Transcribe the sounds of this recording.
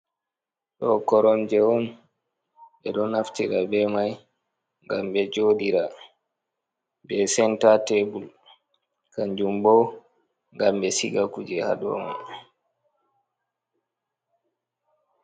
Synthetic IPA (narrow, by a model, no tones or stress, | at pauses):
tɔkɔɾɔmd͡ʒɛwɔn | bɛɗɔnaftiɾabɛmaj | ŋɡambɛd͡ʒoːdiɾa | bɛsɛntatebul | kaɲd͡ʒumbɔw | ŋɡambɛsiɡakud͡ʒɛha̰ɗɔ̰ma̰n